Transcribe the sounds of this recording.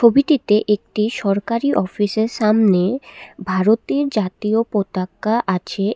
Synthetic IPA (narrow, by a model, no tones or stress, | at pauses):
ʃʰobiʈit̪eʔek̚ʈiʃɔɾkaɾiʔɔfiʃeɾʃamnebʱaɾot̪iɾd͡ʑat̪iopɾot̪akːaʔat͡ɕʰe